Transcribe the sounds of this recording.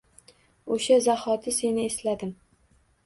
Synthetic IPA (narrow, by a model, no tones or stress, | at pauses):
oʃazahɒt̪ʰɪse̞nɪeslad̪ɪm